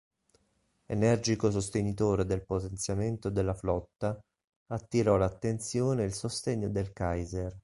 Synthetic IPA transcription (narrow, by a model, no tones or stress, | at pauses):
ḛnɛrd͡ʒikos̬ost̪enit̪oːɾed̪elpot̪ent̪sjament̪od̪elːaflɔt̪ːa | at̪ːiɾɔlat̪ːent̪sjoːneilsost̪eɲːod̪elkajzer